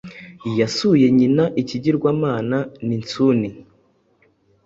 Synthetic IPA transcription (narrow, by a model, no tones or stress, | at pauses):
jasuje̞ɲinaʔiciɟiɾɡwaːmaːnanint͡suni